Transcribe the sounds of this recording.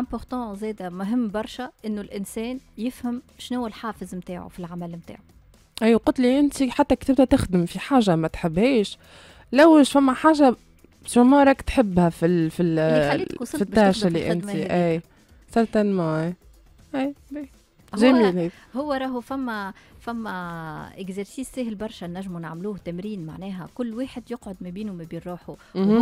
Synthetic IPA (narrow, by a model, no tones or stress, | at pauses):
ʔæ̃pɔʁt̪ɑ̃zɛːd̪æmʊɦɪmːbɑɾˤʃaʔɪnːulʔɪnsɛːnjɪfhæmʃnʊwːælħaːfɪzmt̪aːʕṵfilʕamælmt̪a̰ːʕu | ʔijwqʊlt̪liʔɪnt̪iħat̪ːækt̪ɪb̚d̪æʔt̪ɪxd̪ɪmfiħaːʒamæt̪ħɪbhɛːʃ | læwʃfæmːæħaːʒa | sumɑːɾˤɑkt̪ħɪbːhæfifi | fit̪ːaʕʃaliʔɪ̰nt̪iʔæj | sɑɾˤt̪ænmɑʔe | ʔiːbi | ʒɛːmiːlheː | hʊwːæɾˤɑːɦufæmːæfæmːæɪkzɛɾsiːsːæhɪlbɑɾˤʃanæʒːmunaʕmluːht̪æmɾiːnma̰ʕnɛːɦɛkʊlːweːħɪd̪jʊqʕod̪mæbiːnumæbiːnɾˤuːħu